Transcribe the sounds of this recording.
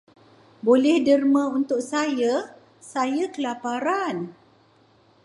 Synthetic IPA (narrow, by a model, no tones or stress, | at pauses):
bolɛhdərmə̃unt̪ʊk̚saja | sajakəlapaɾan